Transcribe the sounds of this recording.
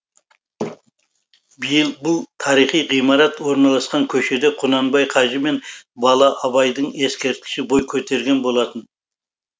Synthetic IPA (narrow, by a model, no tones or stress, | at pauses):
bijɪlˠbʊlˠt̪ʰɑɾijχijʁijmɑɾɑt̪wo̞ɾnɑlˠɑsqɑŋkʲʰɵʃe̞d̪e̞qʰʊnɑnbɑjqʰɑʒəme̞nbɑlˠɑʔɑβɑjd̪əɴe̞skʲe̞ɾt̪̚kʲɪ̥ʃɪbo̞jkʲʰɵt̪e̞ɾɡʲe̞nbo̞lˠɑt̪ən